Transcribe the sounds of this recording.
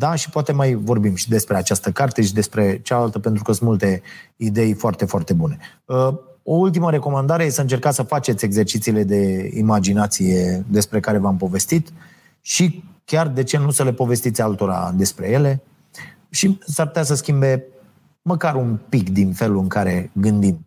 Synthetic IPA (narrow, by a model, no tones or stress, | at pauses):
d̪aʃi̥poat̪e̞majvo̞rbimʃid̪e̞spɾe̞at͡ʃast̪əkart̪e̞ʃid̪e̞spɾe̞t͡ʃalalt̪əpe̞nt̪ɾukəsɨnmult̪e̞id̪e̞jfoart̪e̞foart̪e̞bune̞ | əo̞ult̪̬iməɾe̞ko̞mand̪aɾejesəɨnt͡ʃe̞rkat̪səfat͡ʃet̪sʲe̞ɡze̞rt͡ʃit̪siːle̞d̪e̞imad͡ʒinat̪sije̞d̪e̞spɾe̞kaɾe̞vampo̞ve̞st̪it̪ | ʃikʲard̪e̞t͡ʃe̞nusəle̞po̞ve̞st̪it̪sʲalt̪o̞ɾa̰d̪e̞spɾe̞je̞le̞ | ʃisarput̪ʲas̬əskʲimbe̞ | məkaɾunpikd̪infe̞luɨŋkaɾe̞ɡɨnd̪im